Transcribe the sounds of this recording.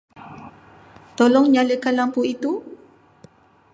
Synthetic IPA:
t̪ɔlɔŋɲaləkanlampuit̪u

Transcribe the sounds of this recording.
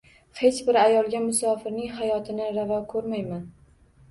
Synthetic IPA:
he̞t͡ʃbɪɾajɒlˠɡʲamʊsɒfɪɾnɪŋɦajɒt̪ʰɪnɪɾavɒkʰɵɾmajman

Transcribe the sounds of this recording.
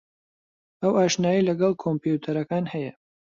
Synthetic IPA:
ɐwaːʃnaːjilɐɡɐlˠkʰompjut̪ʰɐɾɐkaːnhɐjɐ

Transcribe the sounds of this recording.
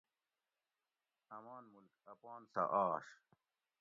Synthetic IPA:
ɐmaːnmulkɐpɑːnsa̰ʔaːɕ

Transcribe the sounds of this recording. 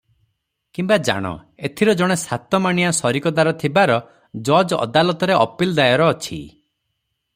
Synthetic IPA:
kimbad͡ʒa̰ɽ̃ɔ̰ | et̪ʰiɾɔd͡ʒɔɽ̃esat̪ɔmaɽ̃iasɔɾikɔd̪aɾɔt̪ʰibaɾɔ | d͡ʒɔd͡ʒɔ̰d̪alɔt̪ɔɾeɔpild̪ajɔɾɔːt͡ʃʰḭ

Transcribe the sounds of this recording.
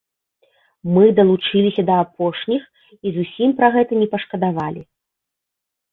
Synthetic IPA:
mɨd̪ɐlˠut͡ʂɨlʲisʲɐd̪ɐːpɔʂnʲix | izusʲimpɾɐɣɛt̪ɐnʲɛpɐʂkɐd̪avalʲi

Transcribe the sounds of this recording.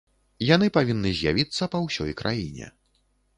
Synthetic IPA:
janɨpavʲinːɨzʲjavʲit̪sːɐpɐwsʲɔ̰jkɾʔa̰jinʲɛ̰

